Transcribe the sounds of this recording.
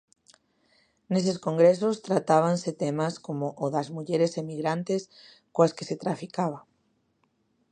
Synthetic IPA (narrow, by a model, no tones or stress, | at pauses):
neseskoŋɡɾes̬ost̪ɾat̪aβ̞anset̪emaskomoʔoðazmuʎeɾesemiɣɾant̪es | koaske̥set̪ɾafikaβ̞a